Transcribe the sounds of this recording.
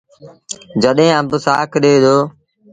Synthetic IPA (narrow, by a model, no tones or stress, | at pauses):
d͡ʒəɗɦẽːãːbʊsaːkɗeːd̪oː